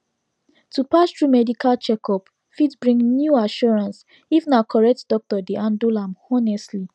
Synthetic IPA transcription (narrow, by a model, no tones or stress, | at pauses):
tupastɹumɛdikʰalt͡ʃɛkɔp | fitbɹĩŋnjuaʃɔɹãns | ifnakʰɔɹɛk̚tdɔk̚tɔdeʔãndulãmɔnɛstli